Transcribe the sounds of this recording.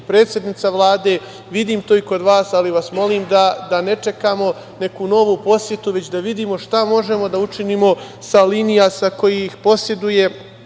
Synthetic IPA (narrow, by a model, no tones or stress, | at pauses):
pɾeːt̪sʲje̞d̪nit̪saʋlˠaːd̪eː | ʋid̪iːmt̪oːiko̞d̪ʋaːsaliʋasmo̞liːmd̪ad̪ane̞t͡ʃe̞kamo̞ | ne̞kuno̞ʋupo̞sje̞t̪uʋe̞t͡ɕd̪aʋid̪iːmo̞ʃt̪amo̞ʒe̞mo̞d̪aut͡ʃinimo̞ | saliːnijasako̞jixpo̞sje̞d̪uje̞